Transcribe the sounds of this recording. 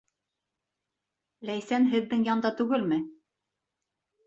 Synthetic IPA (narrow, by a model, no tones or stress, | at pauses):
læjsænɦɘ̆ðːɘŋjɑnd̪ɑt̪ʉɡɘlmɘ